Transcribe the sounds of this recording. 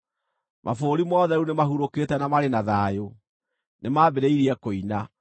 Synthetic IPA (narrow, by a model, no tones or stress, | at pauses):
mʔa̰foɾimɔðɛɾunemaɦuɾoketɛnamaɾenaðaːjo | nemabeɾeiɾiɛkoina